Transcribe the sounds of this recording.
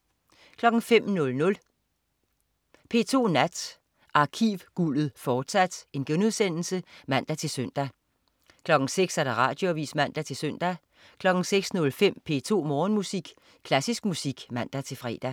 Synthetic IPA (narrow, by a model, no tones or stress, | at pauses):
kʰlɒ̽ɡ̥ŋ̩fem̰nɔ̽lnɔ̽l | pʰe̝ːt͡sʰo̝̰ːnæd̥ | ʔɑ̈kʰiʋɡ̥ulð̩ˠfɒːd̥sæd̥e̝nɡ̥enuðˠsen̰l̩səmæn̰d̥æt͡sʰe̝lsøn̰d̥æ | kʰlɒ̽ɡ̥ŋ̩seɡ̥sæɐɾ̥ɑ̈ʁɑ̰̈ːd̥jo̝ʋḭːsmæn̰d̥æt͡sʰe̝lsøn̰d̥æ | kʰlɒ̽ɡ̥ŋ̩seɡ̥snɔ̽lfem̰pʰe̝̰ːt͡sʰo̝̰ːmɒːnmusiɡ̥ | kʰlæsisɡ̥musiɡ̥mæn̰d̥æt͡sʰe̝lfʁɛ̰ːd̥æ